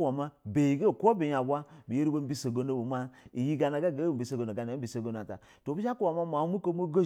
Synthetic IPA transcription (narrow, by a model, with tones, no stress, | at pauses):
wa˨ma˦be˨i˨ɡe˦˨ko˦be˨ja˨bʷa˦bi˨je˦ɾi˦bo˦m̩˦bi˦so˨ɡo˦no˦bo˨ma˦i˨ji˦ɡa˨na˨ɡa˦˨ɡe˦˨m̩˨bi˨se˨ɡo˨no˨ɡa˨na˨˦bi˦˨se˨ɡo˨n˨a˨ta̰˨ | to˨bi˦a˦ku˦wa˨ma˦ma˨˦mu˦ko˦mo˦ɡo˦